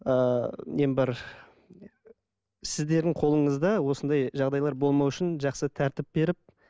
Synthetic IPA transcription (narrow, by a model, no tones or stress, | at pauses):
əmembɑɾ | sɪzd̪e̞ɾd̪ɪɴqʰo̞lˠəɴəzd̪ɑwo̞sənd̪ɑjʒɑʁd̪ɑjlˠɑɾbo̞lˠmɑwʏʃɪnʒɑqsət̪ʰæɾt̪ɪp̚be̞ɾɪp̚